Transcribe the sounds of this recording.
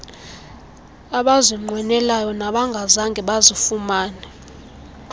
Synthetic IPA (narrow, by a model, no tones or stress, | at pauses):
aɓaziŋ͡ǃwɛnɛlajɔnaɓaŋɡʱazaŋɡʱɛɓazifumaːnɛ